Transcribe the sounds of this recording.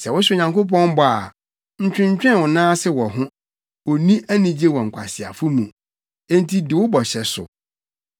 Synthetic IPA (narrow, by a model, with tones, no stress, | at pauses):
sɛ˨wʊ˦sɪ˦˨ɲã˨ŋko˦p̬ɔ̃˦m˦bɔ˨a̰˨ | ɲ̩˨t͡ɕᶣɪ̃˦ɲ˦t͡ɕᶣɛ̃˦wʊ˨nãː˦sɪ˦wɔ˨ɦʊ̃˦ | wɔ˨nĩ˦ʔæ˦nĩ˨d͡ʑe˦wɔ˨ŋ̩˨kʷʰa˨sɪ˨a̰˨fʊ˦mũ˨ | ẽ˦n˦tʰi˦dɪ˨wʊ˦bɔ˨ɕɛ˨sʊ̰˨